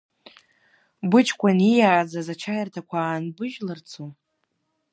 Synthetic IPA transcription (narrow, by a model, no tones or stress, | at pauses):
bʊt͡ʃʰkʷanijaːd͡zazat͡ʃʰajartʰakʷʰaːnbɨʒlɨrt͡sʰo